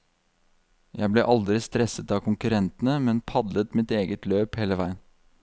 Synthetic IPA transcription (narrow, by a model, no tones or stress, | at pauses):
jæ̰ɪbleːʔɑld̪ɾɪst̪ɾɛsət̪ɑːkʰʊŋkʉɾɛnt̪n̩əmɛnpʰɑd̪lət̪mɪt̪eːɡət̪ʰløːpheːləʋæɪən